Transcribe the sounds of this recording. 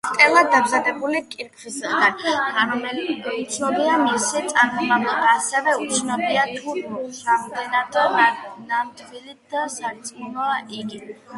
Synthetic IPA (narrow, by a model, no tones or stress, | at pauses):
t̪ʼɛlˠad̪d̪ːamzad̪ɛbulikʼiɾkʰvisad̪aitʰaɾɔmɛut̪sʰnɔbiamisit̪sʼaɾmɔmablˠɔbaːsɛvɛut̪sʰnɔbiat̪ʰuɾamd̪ɛnad̪ɔnanamt̪ʰvilit̪d̪̥asaɾt̪sʼmunɔaʔiɡi